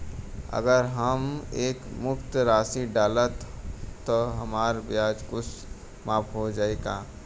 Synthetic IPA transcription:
ə̰ɡəɾɦəmeːkmʊkt̪ɾaːsiɖaːlət̪ː | oɦɐmaːɾbjaːd͡ʒkʊt͡ʃʰ | maːpʰɦod͡ʒaːeːɡaː

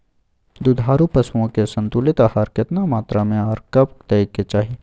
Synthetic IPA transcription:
d̪ud̪ʱaːɾupɐswõkesɐ̃nt̪ʊlɪt̪ahɐɾkɪt̪namaːt̪ɾamẽaːɾkɐp̚d̪ɐiket͡ʃaːɦi

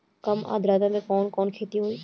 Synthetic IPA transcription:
kɐma̰ːd̪ɾaːd̪amẽkɔːnkɔːnkʰeːt̪iɦoːiː

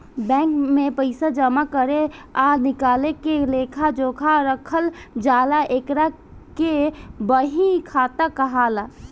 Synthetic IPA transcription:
bɛ̃ːŋkmẽpəɪsad͡ʒəmakəɾeanɪkaːlekeleːkʰad͡ʒoːkʰaɾəkʰəld͡ʒaːlaʔeːkɾa | kebəɦĩkʰaːt̪akəɦaːla

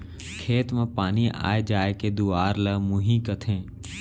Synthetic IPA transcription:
kʰeːt̪mẽpaːnia̰ːed͡ʒaːeked̪uaːɾləmʊɦĩkət̪ʰẽː

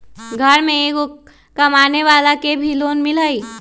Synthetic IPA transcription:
ɡʱəɾmẽeɡo | kəmaːneʋaːlakebʱiloːnmɪləi

